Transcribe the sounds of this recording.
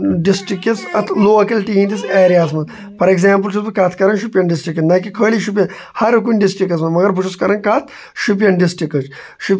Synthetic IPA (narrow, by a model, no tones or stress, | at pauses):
ɖisʈɾikːet͡sɐt̪ʰloːkɐlʈiːmʈiseːɾijaːsmɐn | pʰɐɾeɡzaːmp̬ɨlt͡ʃusbɐkɐːt̪ʰkɐɾɐnʃupʲjɐnɖisʈɾikːɐnɐkikʰəːliʃup̬ʲjɐn | hɐɾk̬unʲɖisʈɾikːɐsmɐnmɐɡɐɾbuʃʰuskɐɾɐnkat̪ʰ | ʃup̬jɐnɖisʈɾikɐt͡ʃ | ʃupʲ